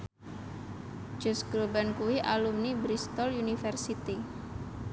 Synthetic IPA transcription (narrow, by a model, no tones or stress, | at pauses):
d͡ʒ̥ɔsɡɾobankuwiʔalumnibɾist̪ɔljunifɛrsit̪i